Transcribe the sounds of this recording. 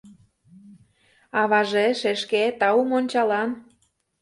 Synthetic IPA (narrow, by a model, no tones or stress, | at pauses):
ɑβɑʒeʃeʃket̪ɑumonʲt͡ɕɑlɑn